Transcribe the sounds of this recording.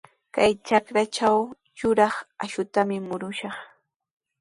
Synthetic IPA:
kajt͡ʃakɾat͡ʃaw | jʊɾɑχaʃʊt̪amɪmʊɾʊʃɑχ

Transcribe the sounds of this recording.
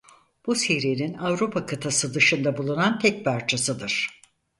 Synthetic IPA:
b̥usiɾininavɾupʰakʰat̪ʰasɯd̪ɯʃɯnd̪abulˠunant̪ʰɛc̚pʰaɾt͡ʃʰasɯd̪ɯɾ̥

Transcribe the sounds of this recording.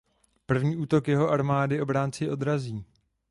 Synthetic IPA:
pr̩vɲiːʔuːt̪okjɛɦo̞ʔaɾmaːdɪʔo̞bɾaːnt͡sɪʔo̞d̪ɾaziː

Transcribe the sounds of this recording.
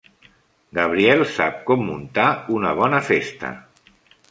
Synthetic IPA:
ɡəβ̞ɾiɛlˠsap̚kɔmːunt̪aunəβ̞ɔnəfest̪ə̰

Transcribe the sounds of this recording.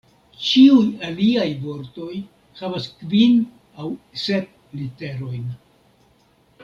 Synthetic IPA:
t͡ʃiujaliajvo̞ɾto̞j | havaskvin | awse̞p̚ | lite̞ɾo̞jn

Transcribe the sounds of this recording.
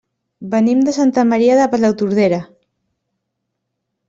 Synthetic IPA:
bənimd̪əsant̪amaɾiaðəpalawt̪uɾð̞eɾa

